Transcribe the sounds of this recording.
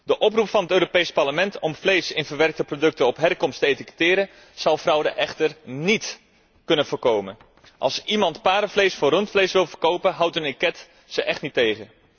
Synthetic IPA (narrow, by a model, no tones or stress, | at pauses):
dəʔɔp̬rupfɑnɦətøːɾopejspɑɹləmɛntʰɔmflejsɪnvəɹʋɛrk̚təprodɵk̚tənɔpɦɛrkɔmstəejtikə̥tɪːɾən | z̥ɑlˠfrʌwdəʔɛχtərnit | kɵnənvʊːrkowmən | ʔɑ̰lˠsimɑntpaːɾəflejsfʊːrɵntflejsʋɪlˠvərkowpənɦʌwtənɪkɛt | səʔɛχtnitejχə